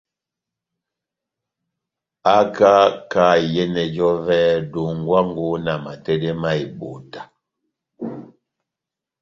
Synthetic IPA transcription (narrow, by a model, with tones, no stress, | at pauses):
a˦ka˦ka˦˨jɛ˦nɛ˨d͡ʒɔ˦vɛː˦du˨ŋ˦˨ɡwa˦ŋ˦ɡo˦na˨ma˨tɛ˦dɛ˦ma˦i˨bo˨ta˨